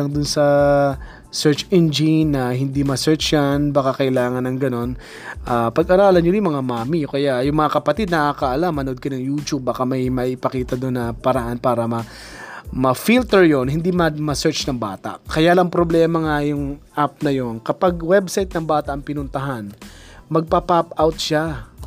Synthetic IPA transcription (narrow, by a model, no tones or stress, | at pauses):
ɐŋd̪ʊnsɐ | sɛɹt͡ʃɛnd͡ʒɪnːɐhɪnd̪imɐsɛɹt͡ʃjanbakakɐʔɪlaːŋɐnɐŋɡɐno̞n | ʔaːpɐɡʔaːɾaːlɐnɲoɾɪmɐŋamaːmijokɐjaʔjʊŋmɐŋakɐpɐt̪id̪nɐʔakɐʔɐlamːɐnʔod̪̚kɐnɐŋjuːt͡ʃub̚ːakamɐjmɐʔɪpɐkiːt̪ɐd̪onːɐpɐɾɐʔanpaːɾɐmɐ | mɐfilt̪ɛɹjo̞nɦɪnd̪imɐmɐsɛɹt͡ʃnɐŋbaːt̪ɐ̰ʔkɐjaːlɐŋpɾoblɛːmɐŋajʊŋʔap̚nɐjo̞nkɐpaɡ̚wɛbsajt̪̚nɐŋbaːt̪ɐʔɐŋpɪnʊnt̪ɐɦanmɐɡ̚papapawt̪̚ʃa